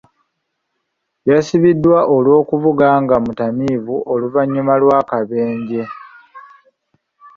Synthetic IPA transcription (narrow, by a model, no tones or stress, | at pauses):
jasiβidːwaʔolwo̞ːkuvuɡaːŋɡamutamiːvuʔoluvaɲːumalwaːkaβe̞ːɲɟe̞